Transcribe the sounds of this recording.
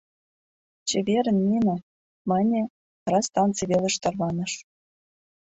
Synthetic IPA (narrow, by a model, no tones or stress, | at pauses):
t͡ɕeβʲeɾʲɘ̆nmʲinʲɘ̆ | mɑnʲĕ | rɑst̪ɑnt͡siβʲelʲɘ̆ʃt̪ɑrlɑnɤ̆ʂ